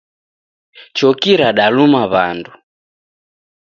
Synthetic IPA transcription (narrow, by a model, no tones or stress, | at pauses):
t͡ʃɔkiɾaɗalumaβandu